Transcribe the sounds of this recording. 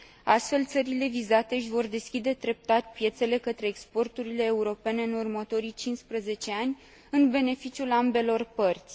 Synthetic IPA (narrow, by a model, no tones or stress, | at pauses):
ast̪fe̞lt̪səɾile̞vizat̪e̞ʃʲvo̞rd̪e̞skʲid̪e̞d̪ɾe̞p̚t̪at̪ʲpje̞t̪se̞le̞kət̪ɾe̞ːkspo̞rt̪uɾile̞ːuɾo̞pe̞ne̞ɨnurmət̪o̞ɾit͡ʃinspɾəze̞t͡ʃe̞anʲ | ɨnbe̞ne̞fit͡ʃiulambe̞lo̞rpərt̪sʲ